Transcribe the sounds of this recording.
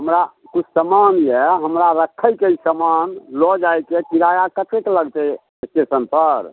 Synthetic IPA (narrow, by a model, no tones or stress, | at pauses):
ɦəmɾa | kut͡ʃʰsəmanjɛɦəmɾaɾəkʰːəjkeisəmanlɔd͡ʒajkekiɾajakət̪ekləɡt̪ɛ | esʈesənpəɾ